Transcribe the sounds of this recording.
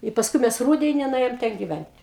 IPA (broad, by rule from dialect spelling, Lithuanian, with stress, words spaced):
ɪ pɐsˈkʊɪ ˈmʲɛs ˈruːdʲɛnʲɪ nʊˈeːjoːm tʲɛn ɡʲɪˈʋʲɛnʲtʲ